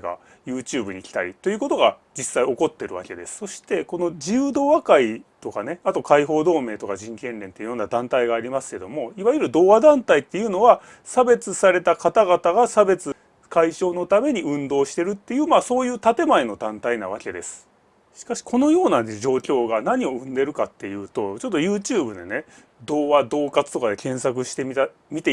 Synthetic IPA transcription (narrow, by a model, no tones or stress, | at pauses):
ɡa̰ | jɯ̟ːt͡ɕɨːbɯɲ̟ikʲi̥t̪a̰ɾʲḭt̪o̞jiɯ̟ːko̞t̪o̞ɡad͡ʑisːaio̞ko̞t̪ːe̞ɾɯ̟βa̰ke̞d̪e̞sɨ̥so̞ɕi̥t̪e̞ko̞no̞d͡ʑiɯːd̪o̞ːβakait̪o̞kane̞at̪o̞kaiɦo̞ːd̪o̞ːme̞ːt̪o̞kaʑĩŋkẽ̞nɾẽ̞nt̪eiɯjo̞nːad̪ãnt̪aiɡaːɾʲimasɨ̥ke̞d̪o̞mo̞iβajɯ̟ɾɯ̟d̪o̞ːβad̪ãnt̪ait̪ːe̞jɯ̟ːno̞βa | sabe̞t͡sɨsaɾe̞t̪akat̪aɡat̪aɡasabe̞t͡sɨ | kaiɕo̞ːno̞t̪ame̞ɲ̟iɯ̟̃nd̪o̞ːɕi̥t̪e̞ɾɯ̟t̪ːe̞jɯ̟ːmaːso̞ːjɯ̟ːt̪at̪e̞maeno̞d̪ãnt̪aina̰β̞akʲe̞d̪e̞sɨ̥ | ɕi̥kaɕi̥kʰo̞no̞jo̞ːnaʑo̞ːkʲo̞ːɡanaɲ̟io̞ɯ̟̃nd̪e̞ɾɯ̟kat̪ːe̞jɯ̟ːt̪o̞t͡ɕo̞t̪ːo̞jɯ̟ːt͡ɕɨːbɯ̟d̪ḛne | d̪o̞ːβad̪o̞ːkat͡sɨ̥t̪o̞kad̪e̞kẽ̞ɰ̃sak̬ɯ̟ɕi̥t̪emʲi | mʲit̪e